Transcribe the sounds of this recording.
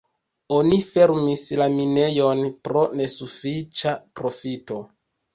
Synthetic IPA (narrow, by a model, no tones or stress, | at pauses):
o̞nife̞ɾmislamine̞jo̞npɾo̞ne̞sufit͡ʃapɾo̞fito̞